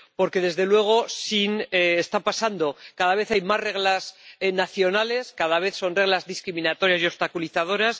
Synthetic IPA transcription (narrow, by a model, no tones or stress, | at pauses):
po̞ɾke̞ðe̞zðe̞lwe̞ɣ̞o̞sineest̪apasand̪o̞kaðaβ̞e̞θajmasre̞ɣlasnaθjo̞nale̞skaðaβ̞e̞θso̞nre̞ɣ̞lazðiskɾimĩnat̪o̞ɾjasio̞βst̪akuliθað̞o̞ɾas